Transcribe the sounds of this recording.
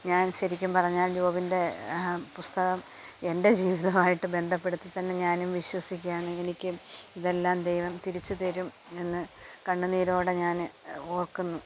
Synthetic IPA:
ɲaːnɕɐɾikʲːumpɐrɐɲːaːljuːʋɐbinde̞pust̪ɐɣɐm | e̞nde̞d͡ʑiːʋiðɐmaːjiʈːɨbe̞nd̪ʱɐpːe̞ɽut̪ːɨt̪ɐnːe̞ɲaːnumʋiɕwɐsik̬ʲːaːɳɨe̞nikʲːɨmiðe̞lːaːmd̪ejʋɐmt̪iɾit͡ɕːut̪eɾum | e̞nːɨkɐɳːuniːɾo̞ːɽe̞ɲaːno̞ːrkunːu

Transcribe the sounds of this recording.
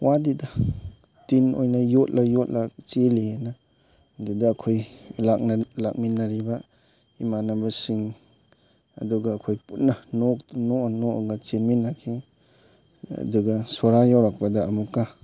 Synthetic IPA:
wadidɐ | tino̰jnɐjot̚lɐjot̚lat͡ʃelienɐ | dudɐːkʰojlak̚nlak̚minːɐɾibɐ | imanɐbɐsiŋ | ɐ̰duɡɐːkʰojput̚nɐnoknonoɡat͡ʃenminːakʰi | ɐ̰duɡɐsoɾajawɾak̚pɐdɐːmukːa

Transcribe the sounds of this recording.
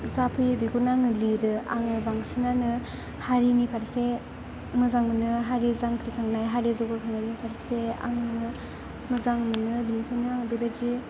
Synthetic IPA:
zapʰɯjbiɡunaŋɯliɾɯa̰ŋɯbaŋsinanɯ | haɾinipʰaɾse | mɯzaŋmɯnɯɦaɾizaŋkʰɾikʰaŋnajɦaɾizɔɡɯkʰaŋnajnipʰaɾsea̰ŋɯ | mɯzaŋmɯnɯbinikʰajnɯaŋbibad͡ʒi

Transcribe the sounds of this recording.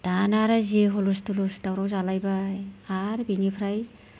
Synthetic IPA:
d̥anaɾazeɦɔlustulusdawɾawzalajbaː | ɾbinipʰɾaj

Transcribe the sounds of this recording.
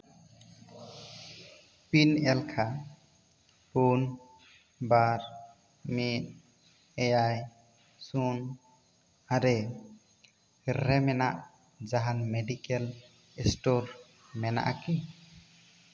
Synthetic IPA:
pinɛlkʰa | pun | baɾ | mit̚ | ɛjaj | sun | aɾɛ | ɾɛmɛna̰ʔ | d͡ʒaɦanmɛɖikɛl | ɛsʈoɾ | mɛna̰ʔaki

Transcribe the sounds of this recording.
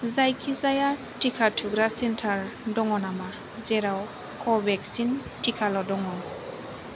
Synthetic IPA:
zajkʰizaja | tikʰatʰuɡɾasɛntʰaɹdɔŋɔnama | zɛɾaw | kʰɔbɛksin | tikʰalɔdɔŋɔn

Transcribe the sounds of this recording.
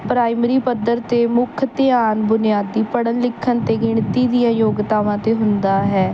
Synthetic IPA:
pɾaːɪmɾiːpəd̪əɾt̪eːmʊkʰt̪ɪaːnbʊnɪjaːd̪ːiːpəɽənlɪkʰːənt̪eːɡɪɳt̪iːd̪ɪjãːjoːɡt̪aːʋãːt̪eːɦʊnd̪aːɦɛː

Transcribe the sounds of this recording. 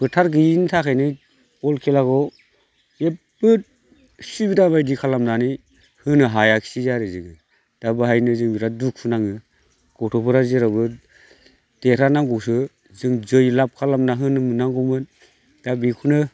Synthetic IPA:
bɯtʰaɾɡɯintʰakʰajnɯ | ɔlkʰelaɡɔ | e | bɯt̚ | sibidabajdikʰalamnani | hɯnɯɦajakʰi̥sizaɾɯzɯŋɯ | d̥abɯɦajnɯzɯŋbiɾaduk̚pʰunaŋɯ | ɡ̥ɔtʰɔpʰɯɾazeɾabɯ | d̥eɾanaŋɡɔsɯ | zɯŋzɯjlap̚kʰalamnaɦɯnɯmɯnaŋɡɔmɯn | d̥abikʰunɯ

